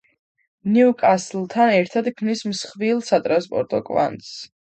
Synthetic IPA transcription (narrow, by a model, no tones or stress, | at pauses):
niukʼaslt̪ʰanɛɾt̪ʰad̪kʰmnismsχvilˠsat̪ʼɾanspʼɔ̰ɾt̪ʼɔ̰kʼva̰nt̪s